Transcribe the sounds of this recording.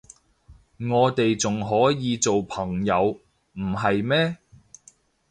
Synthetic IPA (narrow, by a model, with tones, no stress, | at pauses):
ŋɔː˨˧t̪e˨jt͡sʊ˨ŋɦɔː˨˥jiː˨˧t͡so˨wpʰɐ˨˩ŋjɐ˨˧w | m̩˨˩ɦɐ˨jmɛː˥